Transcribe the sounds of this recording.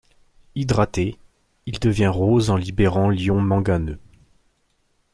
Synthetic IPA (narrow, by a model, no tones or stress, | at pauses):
id̪ʁat̪e | ild̪əvjɛ̃ʁozɑ̃libeʁɑ̃ljɔ̃mɑ̃ɡanø